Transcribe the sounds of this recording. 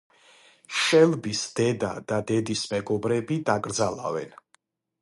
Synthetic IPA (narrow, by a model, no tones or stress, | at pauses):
ʃɛlbisd̪̥ɛd̪a̰d̪̥ad̪ɛd̪ismɛɡɔbɾɛbid̪aɡʼɾd̪zala̰vɛ̰n